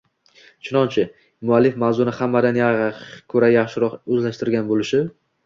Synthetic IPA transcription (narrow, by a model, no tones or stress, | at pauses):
t͡ʃʰʊnɒnt͡ʃʰɪ | mʊalːɪfmawzʊnɪhamːad̪anjakʲʰɵɾajaχʃɪɾɒqɵzlaʃt̪ɪɾɡʲanbolɪʃɪ